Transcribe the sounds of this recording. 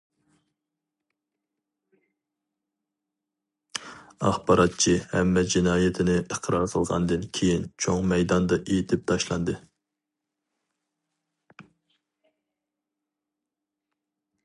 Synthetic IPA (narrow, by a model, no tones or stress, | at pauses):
ɑ̰χbɑɾʔɑt̪̚t͡ʃʰihɛ̰mːɛd͡ʒinɑːjɪt̪ʰɪnɪʔəqʰɾɑɾqʰəlˠʁɑ̰nd̪ɨnkʲʰejint͡ʃʰoŋmɛjd̪ɑnd̪ɑʔejit̪ʰɪp̚t̪ʰɑʃlˠɑnd̪ɨ